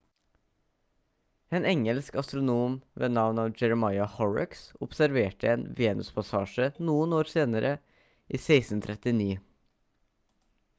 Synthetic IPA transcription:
eːnɛŋəlskɑst̪ɾʊnuːmʋeːnɑʋnɑːʋd͡ʒɛɾəmɑɪɑhɔɹɑ̰ksʊpsæɾʋeːʈəeːnʋeːnʉspʰɑsɑːʃənuːənoːɾseːnəɾʔə | ʔiːseɪsn̩t̪ʰɾɛt̪ɪniː

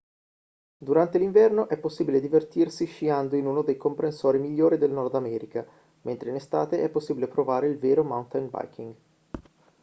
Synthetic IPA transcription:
d̪uɾant̪eliɱvɛrnoʔɛpːosːiːbiled̪ivert̪irsiʃiand̪oinuːnod̪ejkompɾensoːɾimiʎːoːɾid̪elnɔrd̪amɛːɾika | ment̪ɾeinest̪aːt̪eʔɛpːosːiːbilepɾovaːɾeilveːɾomawnt̪ajnba̰jkʰiŋɡ

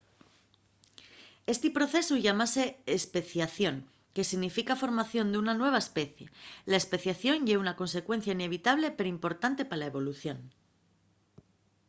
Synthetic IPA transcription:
e̞st̪ipɾo̞θe̞suʝamase̞ːspe̞θjaθjo̞ŋ | ke̞siɣnifikafo̞ɾmaθjo̞nd̪eunanwe̞β̞aespe̞θje̞laespeθjaθjo̞nʝeunako̞nse̞kwe̞n̟θjaine̞β̞it̪aβ̞le̞pe̞ɾoimpo̞ɾt̪ant̪e̞palae̞βo̞luθjo̞n

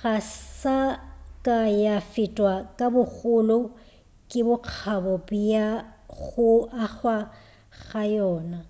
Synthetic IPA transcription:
ɣasakʼajafɪtʼwakʼabʊɣʊlɔ | kʼɪbʊq͡χʰabɔbijaɣʊaχwa | ɣajɔːna

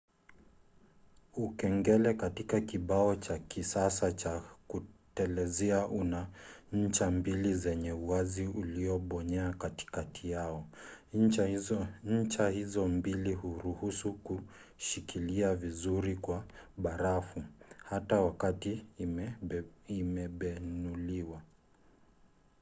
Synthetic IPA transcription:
ukɛŋɡɛlɛkatikakiɓaɔt͡ʃakisasat͡ʃakutɛlɛzɛaʔunaɲ̩t͡ʃambilizɛɲɛuaziuliɔɓɔɲɛakati̥katʰijaɔ | ɲ̩t͡ʃahizɔmbilihuɾuhusuku | ʃikiliavizuɾikwaɓaɾafuhatawakati | imɛɓɛnuliwa

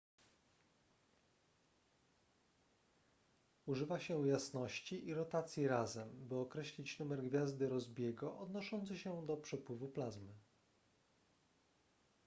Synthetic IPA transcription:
uʐɘvaɕɛwjasnɔɕt͡ɕiʔiɾɔt̪at̪sʲjiɾazɛmbɘɔkɾɛɕlʲit͡ɕnumɛɾɡvʲjazd̪ɘɾɔzbʲjɛɡɔʔɔd̪nɔʂɔnt̪sɘɕɛd̪ɔpʂɛpwɘvuplazmɘ

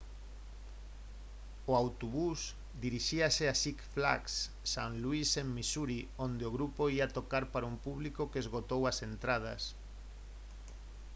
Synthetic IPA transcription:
oawt̪oβus | d̪iɾiʃiaseasikfla̰ksː | aŋluisemmisuɾiond̪eoɣɾupoiat̪okaɾpaɾaumpuβlikokezɣot̪owasent̪ɾað̞ɐ̰s

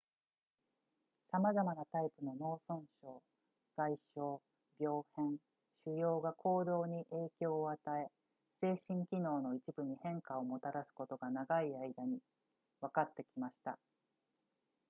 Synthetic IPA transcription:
samazamanat̪aipɯ̟no̞no̞ːsõ̞ɰ̃ɕo̞ː | ɡ̥aiɕo̞ː | bʲjo̞ːhẽ̞ɴ | ɕɯjo̞ːɡakʰo̞ːd̪o̞ːɲ̟iʔe̞ːkʲo̞ːat̪ae̞ | se̞ːɕĩŋkʲino̞ːno̞it͡ɕibɯ̟ɲ̟ihẽ̞ŋkao̞mo̞t̪aɾasɨ̥ko̞t̪o̞ɡanaɡaiaid̪aɲ̟i | βakat̪ːe̞kʲimaɕi̥t̪a̰

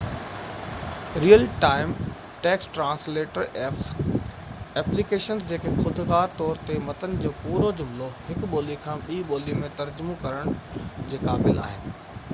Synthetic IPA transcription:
ɾiːəlʈaːɪm | ʈeːksʈɾãːnsleːʈəɾeːfs | ɛːplikeːʃənzd͡ʑeːkexʊd̪ʱɣaːɾt̪ɔːɾt̪emɐt̪ənɪ̆d͡ʑoːpuːɾod͡ʑʊmlohɪkɓoːlikʰãːɓiːɓoːlimẽt̪ɐɾd͡ʑʊmõkɐɾəɽ̃d͡ʑeːkaːbɪlʔa̰ːɦɪnɪ̆

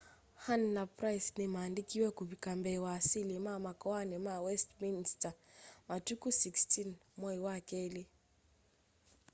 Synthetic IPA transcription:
hannapɾajsnimaːndikiwɛkuβikambɛwaːsilimamakɔanɛmawɛstminstamatukusikstʰinmwɔiwakɛli

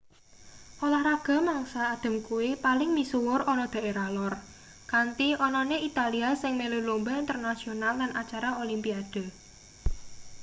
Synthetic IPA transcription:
ʔolahɾaɡ̥a̤maŋsaːd̪̥ə̤mkuwipalɪŋmisuwʊrɔnɔd̪̥a̤ʔeɾalɔr | kant̪iɔnɔneit̪aliasɪŋmelulumbaint̪ərnasionalːanat͡ʃaɾaolimpiad̪̥ə̤

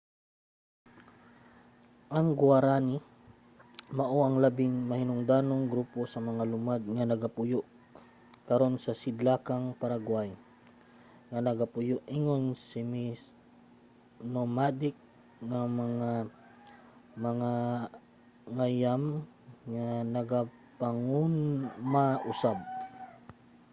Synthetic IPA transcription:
ʔɐŋɡwaɾanɪ | maʔoʔɐŋlabɪŋmɐhɪnʊŋd̪aːnoŋɡɾuposɐmɐŋalʊmad̪̚ŋanɐɡapʊjʊʔ | kɐɾo̞nsɐsɪd̪laːkaŋpaɾaɡwaj | ŋanɐɡapʊjʊʔʔɪŋonsɪmɪs | nomad̪ɪk̚ | ŋamɐŋa | mɐŋa | ŋajam | ŋanɐɡa | paŋunmaʔʊsab̚

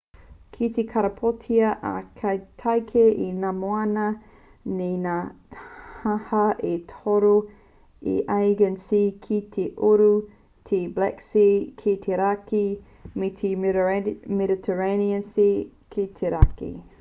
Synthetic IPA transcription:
kʰitʰekʰaɾɐpʰotʰiɐʔa̰kʰɐjtʰajkʰeʔinamoanɐ | nena | hahɐʔetʰoɾo | ḛʔajɡənsikʰitʰeʔoɾu | tʰeblɛksikʰet̪ʰeɾaki | metʰe | mɛditʰəɹeniənsikʰetʰeɾakḭ

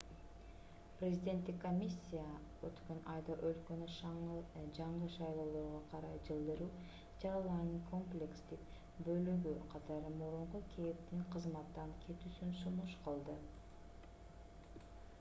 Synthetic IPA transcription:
prʲezʲid̪ʲe̞nt̪ːikːo̞mʲisʲːija | øt̪kønɑjd̪ɑʔø̞lkø̞ny | d͡ʒɑɴɯʃɑjlˠo̞ːlˠo̞ːʁoqʰɑɾɑjd͡ʒɯlˠd̪ɯɾuː | d͡ʒɑɾɑlˠɑɾnɯŋkʰo̞mplʲekst̪ik̚ | bø̞lyɡyqʰɑt̪ɑɾɯmuɾuɴqukʰep̚t̪iŋqʰəzmɑt̪ːɑŋkʲʰe̞t̪yːsynsunuʃqəlˠd̪ɯ

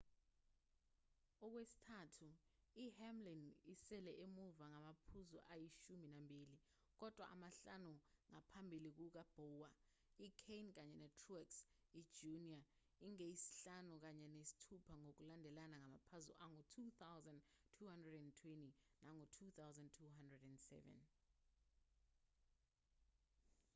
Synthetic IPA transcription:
ɔk̬wesi̥tʰatʰu | ihɛmlinisɛlɛʔemuvaŋamapʰuzɔ̰ʔajiʃuminambʱiːli | k̬ɔd̥ʱwa̰ʔa̰maɬanuŋapʰambʱilik̬uk̬ab̥ʱɔːwa | ikʰejnk̬aɲɛnɛtʰruɛksi̥d͡ʒunia | iŋejisi̥ɬanuk̬aɲɛnesi̥tʰupʰaŋok̬ulandʱɛlanaŋamapʰazuaŋotʰut̪awzandtʰuhandrɛdɛntʰwɛntinaŋotʰut̪ʰawzantʰuɦandrɛdɛndsɛ̰vɛ̰n

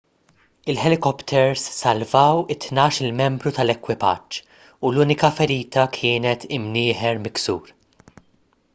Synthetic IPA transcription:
ɪlħɛlɪkɔpt̪ʰɛɾsːɐlvɐwɪt̪nɐːʃɪlmɛmbɾut̪ɐlɛkwɪpɐ̰t͡ʃː | uluːnɪkɐfɛɾiːt̪ɐkʰɪːnɛt̪ʰɪmnɪːħɛɾmɪksṵːɾ

